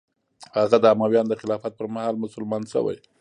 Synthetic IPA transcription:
haɣad̪əamawjɑnd̪əxɪlɑfat̪̚pəɾmahɑlmʊsʊlmɑnʃə̰wa̰j

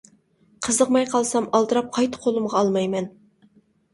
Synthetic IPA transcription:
qʰəzəqmɑjqʰɑlˠsɑmɑlˠd̪ɨɾɑp̚qʰɑjt̪ʰə̥qʰolˠumʁɑːlˠmɑjmɛn

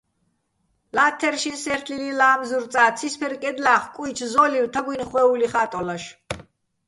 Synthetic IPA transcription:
laːt̪ʰɛɾʃinsɛɾt̪ʰlililaːmzuɾt̪sʼaːt̪t͡s̪ʰispʰɛɾkʼɛd̪laχkʼujt͡ʃʰzɔliwt̪ʰaɡwinχwɛuliχat̪ʼɔlaʃ

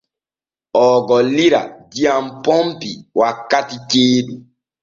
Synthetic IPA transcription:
ɔɡɔliɾa̰d͡ʒiam̩pɔmpiwakːatit͡ʃeːdu

